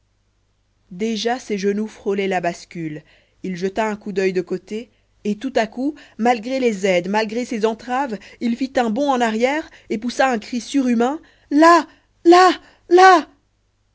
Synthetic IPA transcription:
d̪eʒaseʒənufχɔlɛlabaskʲyl | ilʒət̪aɛ̃kud̪œjd̪əkot̪eː | t̪ut̪akumalɡʁelezɛd̪malɡʁesezɑ̃t̪χav | ilfit̪ɛ̃bɔ̃ɑ̃naʁjɛʁ | epusaɛ̃kχisyʁymɛ̃ | la | la | la

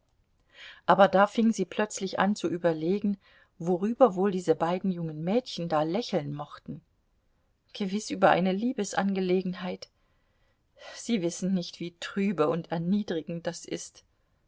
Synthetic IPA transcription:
ʔaːbɐdaːfɪŋziːpʰl̥œt͡slɪçʔa̰nt͡suʔyːbɐleːɡŋ̩ | voʁyːbɐvoːldiːzəbaɪdn̩jʊŋənmɛːtçn̩daːlɛçl̩nmɔχtn̩ | ɡ̥əvɪsʔyːbɐʔa̰ɪnəliːbəsʔa̰nɡəleːɡŋ̩ɦaɪt | z̥iːvɪsn̩nɪçtv̥iːtʁ̥yːbəʊntɛɐniːdʁɪɡŋ̩t̚d̥asʔɪ̰st

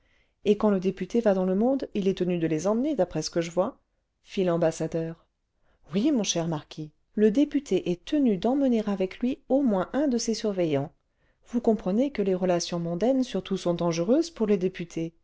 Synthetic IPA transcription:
ekɑ̃ləd̪epyt̪evad̪ɑ̃ləmɔ̃d̪ilɛt̪ənyd̪əlezɑ̃mned̪apχɛsə̥kəʒəvwa | filɑ̃basad̪œːʁ | wimɔ̃ʃɛʁmaʁkʲʰi | ləd̪epyt̪ʰeʔɛt̪ənyd̪ɑ̃məneʁavɛklɥiomwɛ̃ʔɛ̃d̪əsesyʁvɛjɑ̃ | vukɔ̃pχənekəleʁəlasjɔ̃mɔ̃d̪ɛnsyʁt̪usɔ̃d̪ɑ̃ʒəʁøzpuʁled̪epyt̪ʰe

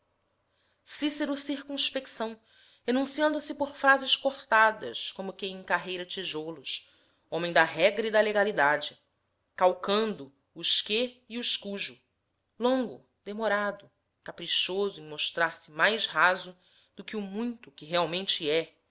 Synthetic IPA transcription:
siseɾʊsiɾkũʃpekisɐ̃w̃ | enũsiɐ̃nd̪ʊsɪpoɾfɾazɪʃkoχt̪ad̪ɐ̰skõmʊkẽj̃ẽkaɦejɾɐt͡ʃiʒolʊs | õmẽj̃d̪ɐɦɛɡɾɐid̪ɐleɡalid̪ad͡ʒɪ | kawkɐ̃nd̪ʊː | ʃkeiʊʃkuʒʊ | lõŋɡʊ̰ | d̪emoɾad̪ʊ | kapɾiʃozʊẽj̃moʃt̪ɾaɾsɪmajzhazʊ | d̪̥ʊkɪʊmũj̃t̪ʊkɪɦeawmẽnt͡ʃɪɛ

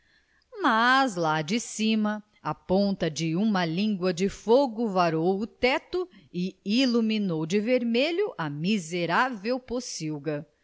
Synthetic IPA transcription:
mɐzlad͡ʒɪsĩmɐ | ɐpõnt̪ɐd͡ʒɪũmɐlĩɡwɐd͡ʒɪfoɡʊvaɾowʊt̪ɛt̪ʊɪiluminowd͡ʒɪveɾmeʎʊʔɐmizeɾavewposiwɡɐ

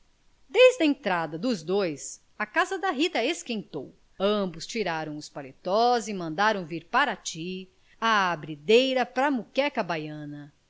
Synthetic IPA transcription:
d̪ejzd̪ɐẽnt̪ɾad̪ɐd̪ʊzd̪ojs | ɐkazɐd̪ɐɦit̪ɐeskẽnt̪o̰w | ɐ̃bʊst͡ʃiɾaɾɐ̃w̃ʊspalet̪ɔzɪmɐ̃nd̪aɾɐ̃w̃viɾpaɾɐt͡ʃi | aabɾid̪ejɾɐpɾɐmukɛkɐbajɐ̃nɐ

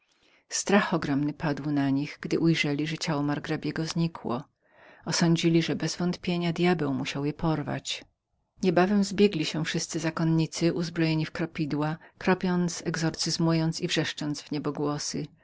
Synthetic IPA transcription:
st̪ɾaxɔɡɾɔmnɘpad̪wnaɲiɣɡ̥d̪ɘʔujʐɛlʲiʐɛt͡ɕawɔmaɾɡɾabʲjɛɡɔzɲikwɔ̰ | ɔsɔɲd͡ʑilʲiʐɛbɛzvɔnt̪pʲjeɲad̪jabɛwmuɕawjɛpʰɔɾva̰t͡ɕ | ɲɛbavɛmzbʲjeɡlʲiɕɛfʂɘst̪sɘzakɔnɲit̪sɘʔuzbɾɔjeɲifkɾɔpʲid̪wakɾɔpʲjɔnt̪sɛɡzɔɾt̪sɘzmujɔnt̪sivʐɛʂt͡ʂɔnd̪zvɲɛbɔɡwɔsɘ

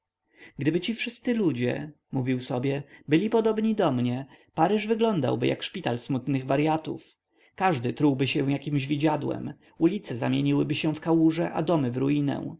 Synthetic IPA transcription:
ɡd̪ɘbɘt͡ɕifʂɘst̪sɘlud͡ʑɛ̰ | muvʲiwsɔbʲjɛbɘlʲipɔd̪ɔbɲid̪ɔmɲɛpaɾɘʐvɘɡlɔnd̪a̰wbɘja̰kʂpʲit̪alsmut̪nɘɣvaɾjat̪ṵf | kaʐd̪ɘt̪ɾuwbɘɕɛw̃jakʲimʑvʲid͡ʑad̪wɛ̰m | ulʲit̪sɛza̰mʲjeɲiwɘbɘɕɛfkawuʐɛʔa̰d̪ɔmɘvɾuinɛ̰w̃

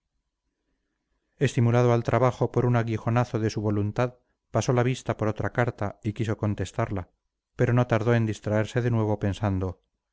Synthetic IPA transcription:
e̞st̪imulað̞oalt̪ɾʔaβaχo̞po̞ɾunaɣixo̞naθoðe̞suβo̞lunt̪að | paso̞laβ̞ist̪apo̞ɾo̞t̪ɾakaɾt̪aikis̬o̞ko̞nt̪e̞st̪aɾla | pe̞ɾo̞no̞t̪aɾðo̞e̞nd̪ist̪ɾaeɾse̞ðenwe̞β̞o̞pe̞nsand̪o̞

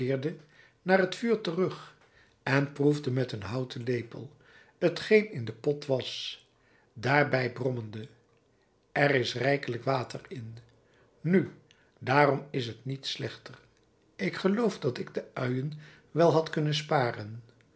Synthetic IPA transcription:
ɪːɹdə | naːrɦətfyːɹtərɵχ | ɛnpruvdəmɛtənɦɑwtʰəlejpə̰lˠ | ətχejnɪndəpɔtʋɑs | daːɹbɛjbrɔməndə | ʔɛrɪsrɛjkələkʋaːtərɪn | ny | daːrɔmɪsɦətnitslɛχtər | ɪkχəlowfdɑtɪɡdəœɥən | ʋɛlˠɦɑtkɵnəns̬paːrən

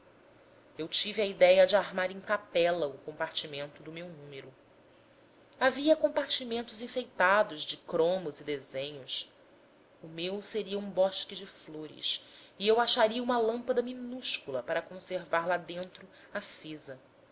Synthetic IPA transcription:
ewt͡ʃiviɐid̪ɛjɐd͡ʒɪaɾmaɾẽŋkapɛlɐʊkõmpaɾt͡ʃimẽnt̪ʊd̪ʊmewnũmeɾʊ | aviɐkõpaɾt͡ʃimẽnt̪ʊzĩfejt̪ad̪ʊʒd͡ʒɪkɾõmʊzid̪ezẽɲʊs | ʊmewseɾiɐũbɔʃkɪd͡ʒɪfloɾɪ̰siewaʃaɾiɐũmɐlɐ̃mpɐd̪ɐminuʃkulɐpaɾɐkõseɾvaɾlad̪ẽnt̪ɾʊ | asizɐ

